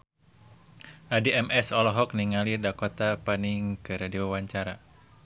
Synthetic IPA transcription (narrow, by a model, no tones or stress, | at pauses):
ʔadiɛmɛsɔlɔɦɔk̚niŋalirdakɔt̪apaniŋkɨɾadeowaɲt͡ʃaɾa